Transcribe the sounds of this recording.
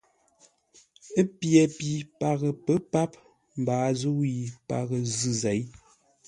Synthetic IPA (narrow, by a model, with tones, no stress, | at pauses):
ə˦pjɛ˨pi˨pa˨ɣə˨pə˦pa˦p̚ | m̩˨baː˨˦zo˦wi˨pa̰˨ɣə˨zɨ˦˨zɛ˨˦j